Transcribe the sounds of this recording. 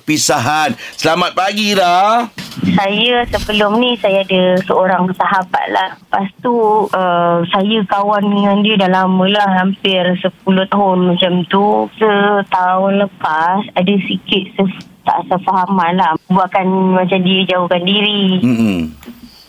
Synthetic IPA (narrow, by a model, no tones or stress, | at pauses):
pisaɦansəlamat̪̚paɡila | sajəsəbəlʊmnisajaadəsəoɾaŋsaɦaba̰t̪̚la̰hpast̪uəmsajəkawandəŋãndiədalamə̃lahɦampɪrsəp̚ulʊt̪̚ɦʊlmãt͡ʃamt̪usət̪aʊnləpasadəsikɪt̪̚sə | t̪a̰ʔsəfaɦamanlahbuaʔ̚kanmat͡ʃamdiəd͡ʒaukandiɾi